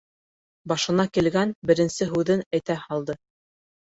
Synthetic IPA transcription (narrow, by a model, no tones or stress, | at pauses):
bɑʃɤ̆nɑkilɡænbɘ̆ɾɘ̆nsɘɦʉðɘnæjt̪æhɑlˠd̪ɤ